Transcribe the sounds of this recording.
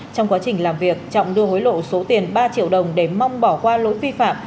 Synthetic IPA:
t͡ɕɔ˧wŋ͡mkwaː˨˦t͡ɕï˨˩ŋ̟laː˨˩mvi˨˩ək̚t͡ɕɔ̰˧˨wŋ͡mɗɨ˧əɦo˨˦jlo̰˧˨so˨˦t̪i˨˩ənɓaː˧t͡ɕḭ˧˨əwɗə˨˩wŋ͡mɗe˧˩ma˧wŋ͡mɓɔ˧˩kwaː˧lo̰˧˥jvi˧fa̰ː˧˨m

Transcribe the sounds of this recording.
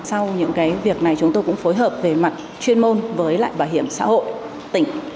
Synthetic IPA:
sa˧wɲɨ̰˧˥ŋkaː˨˦jvi˨˩ək̚na˨˩jt͡ɕʊ˨˦ŋ͡mt̪o˧jkʊ̰˧˥ŋ͡mfo˨˦jɦəː˨˩p̚ve˨˩ma˨t̟̚ | t͡ɕwi˧ənmo˧nvəː˨˦jla̰ː˧˨jɓaː˧˩whi˧˩əmsa̰ː˧˥ho̰˧˨j | t̪ï˧˩ŋ̟

